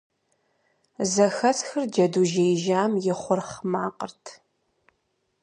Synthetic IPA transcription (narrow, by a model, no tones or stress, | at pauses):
zɐxɐsxɨrd͡ʒɐduʒejʒaːmjɪχʷʊrχmaːqʼə̰rtʰ